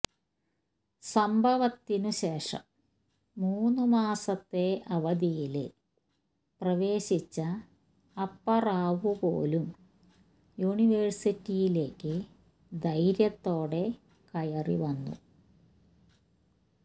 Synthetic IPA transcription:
sɐmbʱɐʋɐt̪ːinuɕe̞ːʂɐ̰mː | uːnːumaːsɐt̪ːe̞ɐʋɐd̪ijilɨ | prɐʋe̞ːɕit͡ɕːɐː | pːɐraːʋupo̞̰ːlum | juɳiʋersitːijile̞ːkːɨ | d̪ɐjɾjɐt̪ːo̞ːɽe̞ | kɐjɐrḭʋɐnːṵ

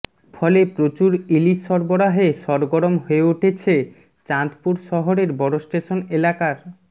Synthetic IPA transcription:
fʰɔlepɾot͡ɕuɾiliːɔɾboɽaɦeʃɔɾɡoɾomɦoeuʈʰet͡ɕʰe | t͡ɕant̪puɾʃɔɦoɾeɾbɔɽosʈeʃonelakaɾ

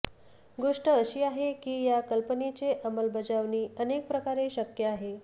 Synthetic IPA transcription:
ɡoʂʈəːɕiːaɦekiːjakəlpənet͡seʔəməlbəd͡zaʋniːənek̚pɾəkaɾeɕəkjəaɦe

